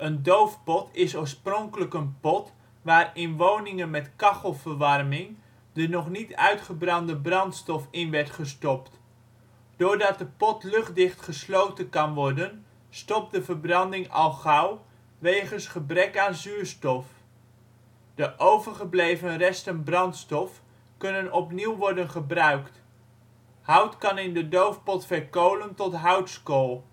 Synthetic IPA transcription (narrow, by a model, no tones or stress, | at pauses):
əndowfpɔtʰɪsoːɹsprɔŋkələkənpɔt | ʋaːrɪnʋownɪŋənmɛtkɑχəlˠvəɹʋɑrmɪŋ | dənɔχnitœ̰ɥtχəbrɑndəbrɑntstɔfɪnʋɛɹtχəstɔpt | d̥oːɹdɑt̚dəpɔtlɵχ̚dɪχtχəslowtənkɑnʋɔɹdən | stɔp̚dəvəɹbrɑndɪŋɑ̰lˠχɑw | ʋejχənsχəbrɛkaːnzyːɹstɔf | d̥əʔowvəɹχəblejvənrɛstənbrɑntstɔf | kɵnənɔpniwʋɔɹdənχəbrœɥkt | ɦʌwtkɑnɪndədowfpɔtfɛɹkowləntɔtɦʌwtskolˠ